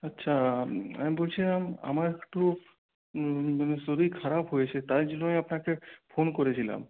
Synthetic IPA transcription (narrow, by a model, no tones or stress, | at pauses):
ɐtːɕʰaa̰mibolt͡ɕʰilama̰maɾekʈu | anesoɾikʰaɾapɦojet͡ɕʰet̪ajd͡ʑinoiapnakepʰonkoɾet͡ɕʰila̰m